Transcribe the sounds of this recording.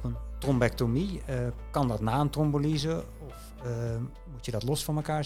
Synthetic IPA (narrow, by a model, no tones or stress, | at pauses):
əntrombɛktomikɑndɔtnaːəntrombəlizə | ɔf | mutjədɔtlɔsfɔməkaːɹ